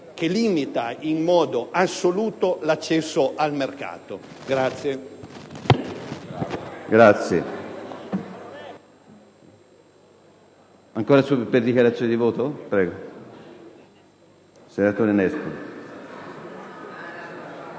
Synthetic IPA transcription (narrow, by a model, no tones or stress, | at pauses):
keliːmit̪ainmɔːd̪oʔasːoluːt̪olat͡ʃːɛsːoʔalmerka̰ːt̪o | ɡɾat̪sːje | ɡɾat̪sːje | aŋkoːɾasuperd̪ikjaɾat̪sːjonid̪ivoːt̪opɾɛːɡo | senat̪oːɾenɛspul